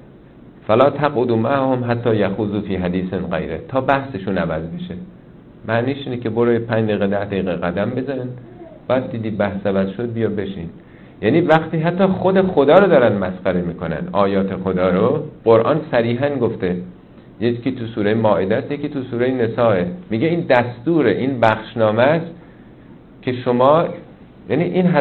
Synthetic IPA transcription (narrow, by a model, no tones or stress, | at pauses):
fælɒːt̪ʰæqod̪uːmæʔhomɦæt̪ʰːɒːjæxuːzuːfiːɦæd̪iːsenɢḛjɾḛt̪ʰɒːbæhseʃuːnævæzbeʃe | mæʔniːʃiːnekʰe̞boɾɑːjepʰæɲd͡ʒd̪ejɣed̪æhd̪ejɣeɣæd̪æmbe̞zɒɾin | bɒːjæd̪̚ːiːd̪iːbæhsævæzʃod̪̚bijɒːbe̞ʃiːn | jæːniːvæχt̪iːɦæt̪ːɒːxod̪e̞xod̪ɒːɾod̪ɒːɾænd̪mæsqæɾemiːko̞næ̰nd̪ʔɒːjɒːt̪ʰe̞xo̞d̪ɒːɾoɢoɾʔɒ̰ːnsæɾiːɦænɡoft̪e̞ | jeiːt̪ʰusuːɾejemɒːʔed̪æsjecʰiːt̪ʰusuːɾejene̞sɒːemiɟeiːnd̪æst̪uːɾeʔiːnbæχʃnɒːmæs | cʰe̞ʃomɒː | jæniːʔinɦæ